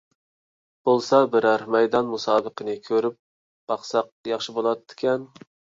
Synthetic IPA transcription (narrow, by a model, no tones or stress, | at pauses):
b̥olˠsɑbɪɾæɾmɛjd̪ɑnmusɑːbəqənɨkʲʰøɾyp̚ | b̥ɑχsɑq̚jɑχʃibolˠɑt̪ʰːɪ̥kʲɛn